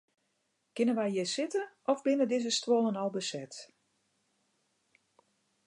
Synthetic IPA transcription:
kɪnənʋɛjjɪsɪtəʔɔfbɪnədɪzəstwɔlˠənɔlˠbəsɛt

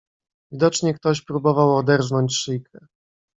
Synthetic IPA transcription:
vʲid̪ɔt͡ʂɲɛkt̪ɔɕpɾubɔvawɔd̪ɛɾvnɔɲt͡ɕʂɘjkʰɛ

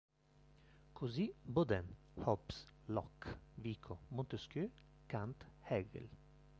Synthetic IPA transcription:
kʰʊzibɔd̪ɛn | hɔpslɔkʋiːkʰɔmɔnt̪əskøː | kʰant̪hɛɡə̰l

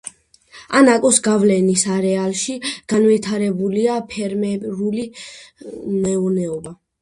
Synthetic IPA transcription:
anakʼɔsɡavlɛnisaɾɛalˠʃiɡ̥anvit̪ʰaɾɛbuliapʰɛɾmɛɾuli | mɛunɛɔba

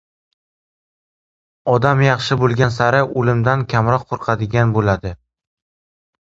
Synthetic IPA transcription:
ɒd̪amjɑχʃɪbolˠɡʲansaɾɪolɪmd̪ankʲʰamɾɒqʰːoɾqʰɑd̪ɪɡʲanbolad̪ɪ

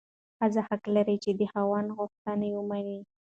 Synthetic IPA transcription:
hazahaklaɾijt͡ʃed̪əhawɑnɣʊxt̪anawəmani

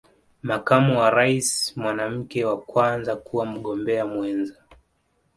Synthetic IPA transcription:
makamuwaɾaisimwanam̩kɛwakwanzakuwam̩ɠɔmbɛamwɛnza

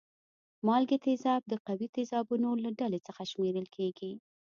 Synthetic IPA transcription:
mɑlɡet̪ezɑb̚d̪əqawit̪ezɑbunolaɖalet͡səxaʃmeɾəlkʰeɡi

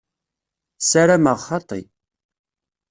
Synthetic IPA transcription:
saɾaməʁχɑt̪ˤːḭ

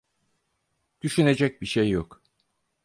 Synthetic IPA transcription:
d̪̥yʃyne̞d͡ʒɛc̚biʃejːok

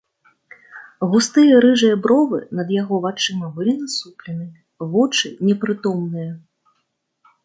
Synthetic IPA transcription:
ɣust̪ɨjɐɾɨʐɨjɐbɾɔvɨ̰nɐd̪jaɣɔvat͡ʂɨmɐvɨlʲinɐsuplʲɛnɨ | vɔt͡ʂɨnʲɛpɾɨt̪ɔmnɨjɐ

